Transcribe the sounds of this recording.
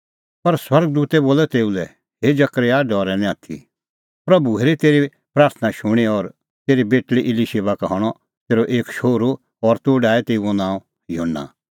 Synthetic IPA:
pɐɾswɐɾɡd̪uːt̪ɛboːlɛt̪eːulɛ | ɦed͡ʒɐkɾjaɖɔːɾɛnɛ̃at̪ʰḭ | pɾɐbuɦeːɾit̪eːɾi | pɾaːɾt̪ʰənaʃʊɽ̃eɔɾ | t̪eːɾibeːʈliʔɪliseːʋakɦɔɽ̃ɔ | t̪eːɾoʔeːkʃoːɾo | ɔɾt̪oːɖaːɛt̪eːuonãːõ | joːnːa̰

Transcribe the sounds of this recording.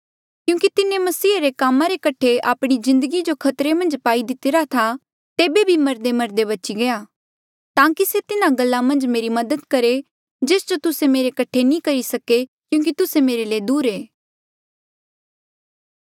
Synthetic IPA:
kjũːkit̪ɪnẽmɐsiːaɾekaːmãɾekɐʈʰeaːpɽ̃izɪ̃nd̪əɡid͡ʒokʰɐt̪ɾemɐ̃nd͡ʒpaːid̪ɪt̪eɾat̪ʰa | t̪eːbebʱimɐɾd̪emɐɾd̪eβɐt͡ʃiɡɐjaː | t̪ãːkiset̪ɪnãɡɐlːamɐ̃nd͡ʒmeːɾimɐd̪əd̪kɐɾe | d͡ʒeːsd͡ʒot̪ʊsemeːɾekɐʈʰenĩːkɐɾisɐkekjũːk̬it̪ʊsemeːɾeleːd̪uːɾeː

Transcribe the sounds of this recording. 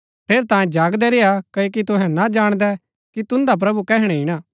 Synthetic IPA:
pʰeːɾt̪aːjẽd͡ʒaːɡd̪ɛɾeːakɐok̬it̪ʊɦɛ̃nad͡ʒaːɽ̃d̪ɛ | kit̪ʊ̃nd̪ap̬ɾɐbukɛɦɪɽ̃ɛ̃ɪɽ̃aː

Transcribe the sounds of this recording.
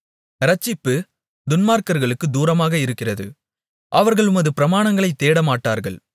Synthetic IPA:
ɾɐt͡ʃːɪpːɯ | d̪ʊnmaːɾkɐɾɣɐɭɯkːɯd̪uːɾɐmaːɣɐɪɾɯkːɪrɐðɯ̰ | ʔɐʋɐɾɣɐɭʊmɐðɯpɪɾɐmaːɳɐŋɡɐɭɐɪt̪ːeːɽɐmaːʈːaːɾɣɐɭ

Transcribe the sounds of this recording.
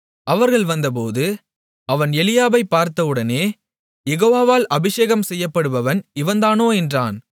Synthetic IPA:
ʔɐʋɐɾɣɐɭʋɐnd̪ɐp̬oːðɯ | ɐʋɐnɛlɪjaːbɐɪpːaːɾt̪ɐʋɯɽɐneː | jɛɣoːʋaːʋaːlʔɐbɪʂeːɣɐmsɛjːɐpːɐɽɯʋɐʋɐnɪʋɐnd̪aːnoːɛndra̰ːn

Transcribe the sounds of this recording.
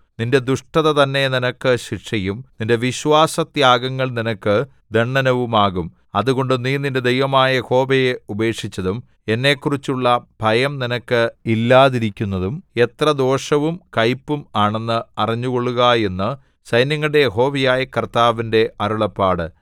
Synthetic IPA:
ninde̞d̪uʂʈɐðɐt̪ɐnːe̞ninɐkːɨɕikʂɐjumninde̞ʋiɕʋaːsɐt̪jaːɡɐŋːɐɭninɐkːɨ | d̪e̞ɳːɐnɐʋumaːɣum | ɐðuɣo̞ɳɖɨniːninde̞d̪ejʋɐmaːjɐjeho̞ːbejeube̞ːkʂit͡ɕːɐðum | e̞nːe̞ːkːurit͡ɕːuɭːɐbʱɐjɐmninɐkːɨilːaːðiɾikʲːunːɐðume̞t̪rɐd̪o̞ːʂɐʋumkɐjpːumaːɳe̞nːɨɐrɐɲːuɣo̞ɭːuɣɐe̞nːɨ | sɐjnjɐŋːɐɭɽejeɦo̞ːbijaːjɐkɐrt̪aːʋinde̞ʔɐɾuɭɐpːaːɽɨ

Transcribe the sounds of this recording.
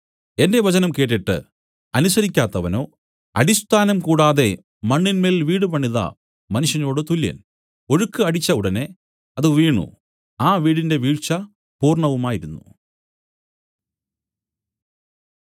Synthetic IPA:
e̞nde̞ʋɐt͡ɕɐnɐmkeːʈːiʈːɨ̰ | ɐnusɐɾikʲːaːt̪ːɐʋɐno̞ː | ɐ̰ɽist̪ʰaːnɐmkuːɽaːðe̞ | mɐɳːinmeːliʋiːɽɨpɐɳːiðɐ̰ | mɐnuʂjɐno̞ːɽɨt̪uljɐ̰n | o̞ɻukːɨɐɽit͡ɕːɐuɽɐne̞ | ɐðɨʋiːɳṵ | aːʋiːɽinde̞ʋiːɻt͡ɕːɐ | puːrɳɐʋumaːjiɾunːu

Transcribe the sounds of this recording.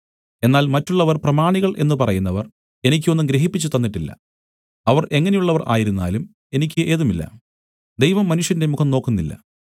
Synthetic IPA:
e̞nːaːlmɐtːuɭːɐʋɐrprɐmaːɳiɣɐɭʔe̞nːɨpɐrɐjunːɐʋɐr | e̞nikʲːuo̞nːumɡɾeɦipːit͡ɕːut̪ɐnːiʈːilːɐ̰ | ɐʋɐrʔe̞ŋːɐne̞juɭːɐʋɐrʔa̰ːjiɾunːa̰ːlum | e̞nikʲːɨʔe̞ːðumilːɐ̰ | d̪ejʋɐmːɐnuʂjɐndemukʰɐmno̞ːkːunːilːɐ̰

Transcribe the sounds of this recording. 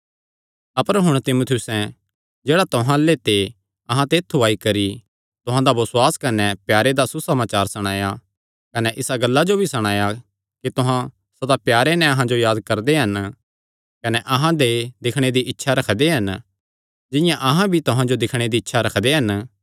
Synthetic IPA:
ɐpəɾɦʊɽ̃t̪ɪmʊt̪ʰjʊsɛ̃ | d͡ʒeːɽat̪ʊɦãlːet̪e | ɐɦãt̪eːt̪ʰːuaːikɐɾi | t̪ʊɦãd̪abɐswaːskɐnɛpjaːɾed̪asusɐmaːt͡ʃaːɾsɐɽ̃aːja | kɐnɛʔɪsaɡɐlːad͡ʒobʱisɐɽ̃aːja | kit̪ʊɦã | sɐd̪apjaːɾenɛ̃ɐɦãd͡ʒojaːd̪kɐɾd̪eɦɐn | kɐnɛʔɐɦãd̪ed̪ɪkʰɽ̃ed̪iʔɪtːʃʰaɾɐkʰd̪eɦɐn | d͡ʒɪ̃jãʔɐɦãbʱit̪ʊɦãd͡ʒod̪ɪkʰɽ̃ed̪iːtːʃʰaɾɐkʰd̪eɦɐn

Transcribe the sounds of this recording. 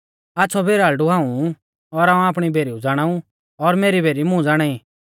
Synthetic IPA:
aːtːsʰɔbeːɾaːlɖuɦaːũ | ɔɾaːũaːpɽ̃ibʱeːɾiud͡zaːɽ̃ãːũ | ɔɾmeːɾibʱeːɾimʊ̃d͡zaːɽ̃aːĩ

